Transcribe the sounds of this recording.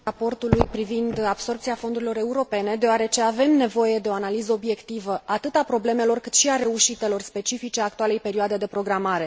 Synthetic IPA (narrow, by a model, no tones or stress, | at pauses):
apo̞rt̪ulujpɾivind̪ab̥so̞rp̚t̪iafo̞nd̪uɾilo̞ɾe̞uɾo̞pe̞ne̞d̪eoaɾe̞t͡ʃe̞ave̞mne̞vo̞je̞d̪e̞o̞analizəobje̞kt̪ivəʔat̪ɨt̪apɾo̞ble̞me̞lo̞rkɨt̪ʃiaɾe̞uʃit̪e̞lo̞rspe̞t͡ʃifit͡ʃeakt̪uale̞jpe̞ɾioad̪e̞d̪e̞pɾo̞ɡɾamaɾe̞